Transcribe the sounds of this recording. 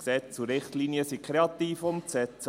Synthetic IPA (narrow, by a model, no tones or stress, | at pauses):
ksɛt͡suɾɪχt̪liniəsikʰχɾeɑt̪iːfʊnsɛt͡s